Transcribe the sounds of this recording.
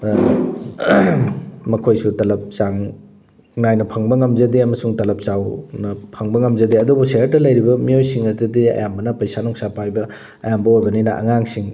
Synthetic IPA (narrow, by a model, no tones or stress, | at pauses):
mɐkʰojsutɐlɐp̚saŋ | najnɐpʰɐŋbɐŋɐmzɐdeɐmɐsuŋtɐlɐp̚sawnɐpʰɐŋbɐŋɐmzɐdeɐdubuseɾtɐlɐjɾibɐmiojsiŋɐdudiɐ̰jambɐnɐpɐjsanɔŋsapajbɐ | ɐ̰jambɐojbɐninɐʔɐ̰ŋaŋsiŋ